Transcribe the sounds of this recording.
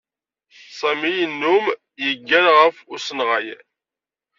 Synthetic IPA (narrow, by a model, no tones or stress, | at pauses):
sˤæmijənːum | jəɡːænʁəfʊɾsənʁaj